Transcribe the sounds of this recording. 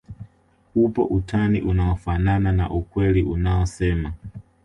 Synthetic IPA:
upɔ̰ʔutʰaniʔunaɔfananana̰ʔukwɛliʔunaɔsɛma

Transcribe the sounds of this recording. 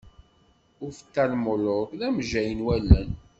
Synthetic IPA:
ʊɾfə̥t̪ːælmʊlʊkðæmʒæjənwælːən

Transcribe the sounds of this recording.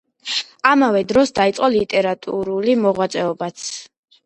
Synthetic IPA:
amavɛd̪ɾɔsd̪ait̪sʼqʼɔlit̪ʼɛɾat̪ʼuɾulimɔʁwat̪sʼɛɔbat̪sʰ

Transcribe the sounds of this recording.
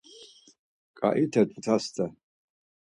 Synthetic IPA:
kʼa̰ʔitʰatʼatʰastʰa

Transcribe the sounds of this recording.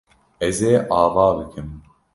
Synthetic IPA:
ɛzeːʔɑːvaːbɨkʰɨm

